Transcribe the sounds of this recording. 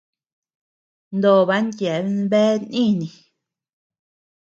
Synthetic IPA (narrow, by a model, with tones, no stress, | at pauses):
nd̪o˨βa˧˦ntje˨˦˧nβe˦nĩ˦˨nĩ˨